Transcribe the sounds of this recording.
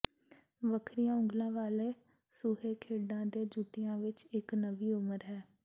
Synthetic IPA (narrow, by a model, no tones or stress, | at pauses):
ʋəkʰɾijãːʊ̃ŋɡlãːʋaːleː | suːɦeːkʰeːɖãːd̪eːd͡ʒuːt̪ijãːʋɪt͡ʃɪknəʋiːʊməɾɦɛː